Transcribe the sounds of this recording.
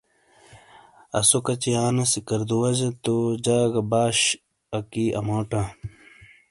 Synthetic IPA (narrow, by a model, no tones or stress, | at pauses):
ɐ̰sokɐt͡ɕijaːnɐsikɐɾd̪uwɐd͡ʑɐt̪od͡ʑaːɡɐbaːɕ | ɐkiʔɐ̰moːʈa